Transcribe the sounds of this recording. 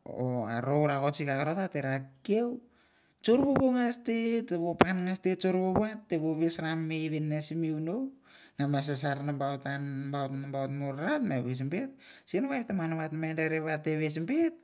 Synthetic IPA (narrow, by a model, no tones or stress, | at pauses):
oa̰ɾowɾako̞t͡ʃikakaɾotateɾakew | t͡ʃoɾβoβoŋasteteβopanŋastet͡ʃoɾβoβoatːeβoβesɾamːejβenːasimiunow | ŋamas̬as̬aɾnambawtanbawtnambawtmoɾɾatmaβes̬mbet̚sienaβajtamanaβatmadaɾeβateβes̬mbet̚